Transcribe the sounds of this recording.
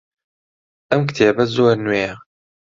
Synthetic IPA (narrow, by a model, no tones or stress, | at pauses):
ʔɐmkt̪ʰeːbɐzoːɾnweːjɛ